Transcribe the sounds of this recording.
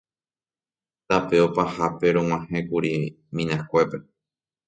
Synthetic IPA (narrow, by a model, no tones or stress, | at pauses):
t̪apeopahape̞ɾõw̃ãhẽkuɾi | mĩnãkʷe̞pe̞